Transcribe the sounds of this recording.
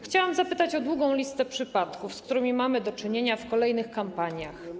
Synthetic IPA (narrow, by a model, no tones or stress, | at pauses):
xt͡ɕawamzapɘt̪at͡ɕɔd̪wuɡɔ̃w̃lʲist̪ɛpʂɘpat̪kufskt̪uɾɘmʲimamɘd̪ɔt͡ʂɘɲeɲafkɔlɛjn̪ɘxkampaɲjax